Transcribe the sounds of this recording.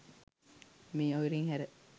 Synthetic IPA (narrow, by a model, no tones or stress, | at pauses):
miːoʋiɾiŋhæɾe